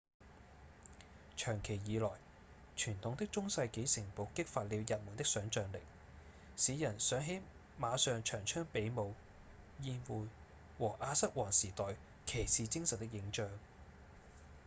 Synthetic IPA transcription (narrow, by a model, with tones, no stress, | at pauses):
t͡ʃʰœː˨˩ŋkʰe˨˩jjiː˨˧lɔː˨˩j | t͡ʃʰyː˨˩nt̪ʰʊ˨ŋt̪ɪ˥k̚t͡sʊ˥ŋsɐ˧jke˨˥jsɪ˨˩ŋpo˨˥wkɪ˥k̚faː˧t̚liː˨˧wjɐ˨t̚mʊː˨˩nt̪ɪ˥k̚sœː˨˥ŋt͡ʃœː˨ŋlɪ̰˨˩k̚ | siː˨˧˥jɐ˨˩nsœː˨˥ŋɦe˨˥j | maː˨˧sœː˨ŋt͡ʃʰœː˨˩ŋt͡ʃʰœː˥ŋpe˨˥jmo˨˧w | jiː˧nwuː˨j | wɔː˨˩ʔaː˧sɐ˥k̚wɔː˨˩ŋsiː˨˩t̪ɔː˨j | kʰe˨˩jsiː˨t͡sɪ˥ŋsɐ˨t̚t̪ɪ˥k̚jɪ˨˥ŋt͡ʃœː˧ŋ